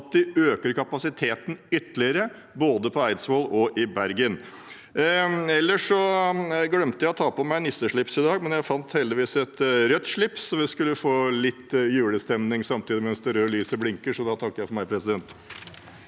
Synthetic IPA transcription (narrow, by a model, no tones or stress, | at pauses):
t̪̚d̪ɪøːkəɾkɑpɑsɪt̪ʰeːt̪n̩ʏt̪ːlɪəɾə | boːd̪əpʰɔæɪd̪sʋolɔʔɪbæɾɡən | ɛlːəʂɔɡɽœmt̪əjæɔt̪ʰɑːpɔmæɪnɪst̪əʂɭɪpsɪd̪ɑːɡmɛnjæɪfɑnt̪hɛld̪ɪʋiːsɛt̪ɾœt̪ːʂɭɪpssɔʋɪskʉlːəfoːlɪt̪ːjʉːləst̪ɛmnɪŋsɑmt̪ʰiːd̪ɪmɛnsd̪ɛɾøːlyːsəblɪŋkəʂɔd̪ɑt̪ʰɑkːəjæɪfɔɾmæɪpʰɾɛsɪd̪ɛnt̪